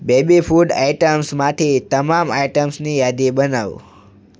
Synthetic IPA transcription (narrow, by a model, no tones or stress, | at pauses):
bebifuɖa̰iʈəmsmaʈʰet̪əmamaiʈəmsnijad̪ibənaʋ